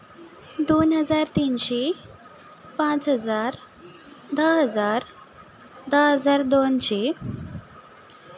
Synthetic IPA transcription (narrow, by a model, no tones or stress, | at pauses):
d̪onɦəd͡zaɾt̪inɕe | pãt͡sɦəd͡zaɾ | d̪əɦəd͡zaɾ | d̪əɦəd͡zaɾd̪onɕe